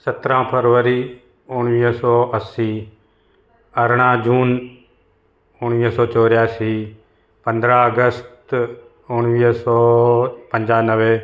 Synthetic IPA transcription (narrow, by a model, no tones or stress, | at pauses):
sət̪ɾãpʰəɾʋəɾiː | ʊɽ̃ʋiːɦsɔːəsiː | ɐɾɽ̃ãːd͡ʒuːn | ʊɽ̃ʋiːɦsɔːt͡ʃoːɾjaːsi | pə̃nd̪ɾãəɡəst̪ | ʊɽ̃ʋiːɦsɔːpə̃ɲd͡ʒaːnəʋe